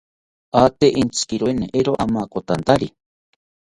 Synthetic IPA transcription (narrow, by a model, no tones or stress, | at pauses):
at̪eʔint͡sʰkiɾweneʔeɾoʔamakot̪ant̪aɾi